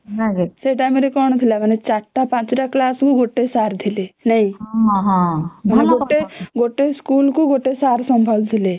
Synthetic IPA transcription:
aɡseʈameɾekɔːɳd̪ʰʱilamɛnet͡ʃaʈʈapãːt͡ʃɾaklaːskoɡoʈːesaːɾd̪ʱilenəɦĩɦãɦãmɛneɡoʈeɡoʈːeskuːlkoɡoʈːesaɾsəmbʱəld̪ʱile

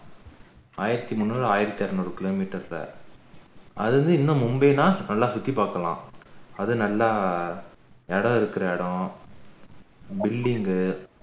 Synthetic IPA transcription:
aːjɪɾɐt̪ːimʊnːuːɾaːjɪɾɐt̪ːiɐːɾɐnʊɾɯkːɪlomiːʈːɐɾlɐ̰ | ʔɐ̰ðɯɾɯnd̪ɯɪnːɐ̃mʊmbeːnãːnɐlːaːsʊt̪ːipaːɾkɐlã̰ːɐðɯnɐlːa | ɛɽɐ̃ɪɾɯkːɪɾɐɛɽɔ̃ | bɪlːɪŋɡɯ

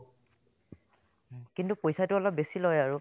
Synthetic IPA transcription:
kintupojsatʊɔlɔp̚besilojaɹu

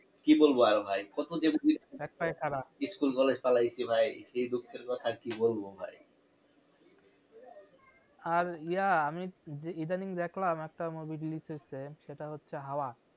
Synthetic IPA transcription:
kibolboaɾbʱajkɔt̪od͡ʑebobid̪ʱɛk̚pajkʰaɾaiskulkɔled͡ʑpalajsʰibʱajʃejd̪ukʰːeɾkɔt̪ʰakibolbobʱa̰j | aɾijaamid͡ʑeid̪aniŋd̪ɛkʰlamɛk̚ʈamobʱiɖilisosʰeʃeʈaɦotːɕʰeɦaoa

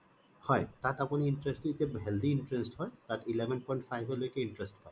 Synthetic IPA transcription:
hɔet̪aʈaponiiɳʈɾesʈit̪eɦɛld̪iinʈɾesʈɦɔet̪aʈilebʱenpɔjɳʈfajbʱɦolojkeiɳʈɾesʈpae

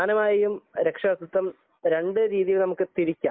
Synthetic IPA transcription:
aːnɐmaːjɐjumɾe̞kʂɐʋɐst̪ːut̪ːɐm | ɾe̞ɳɖɨɾiːðijilnɐmukːɨt̪iɾikʲːa̰ː

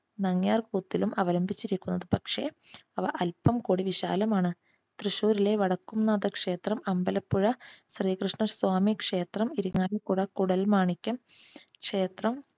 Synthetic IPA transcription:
nɐŋjaːrkuːt̪ːilumɐʋɐlɐmbʱit͡ɕːiɾikʲːunːɐðɨpɐkʂe̞ɐʋɐʔɐlpɐmkuːɽiʋiɕa̰ːlɐmaːɳɨ | t̪rɨɕuːɾile̞ʋɐɽɐkːumnːɐðɐkʂe̞ːt̪rɐmɐmbɐlɐpːuɻɐɕriːkrɨʂɳɐsʋaːmikʂe̞ːt̪rɐmiɾuŋːaːlɐkuɽɐkuɽɐlmaːɳikʲːɐmkʂe̞ːt̪rɐm

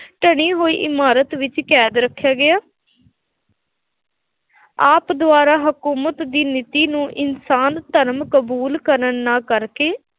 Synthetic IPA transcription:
ʈəɽ̃iːɦoːḭːʔɪmaːɾət̪ʋɪt͡ʃkɛːd̪ɾəkʰːjaːɡɪjaː | aːpd̪ʊaːɾaːɦəkuːmət̪d̪iːnɪt̪iːnũːʔɪnsaːnt̪əɾmkəbuːlkəɾənːaːkəɾkeː

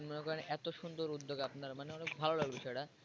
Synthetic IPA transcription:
nmonekɔɾenʔɛt̪oʃund̪oɾud̪ːoɡapnaɾmaneɔnek̚bʱalolaɡbiʃɔeʈa

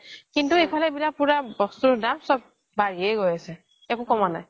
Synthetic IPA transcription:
kintuejpʰalɛbilapuɹabɔstudamsɔb̚ | baɹiɛɡojasɛ | ɛkʊ̃kɔmana̰j

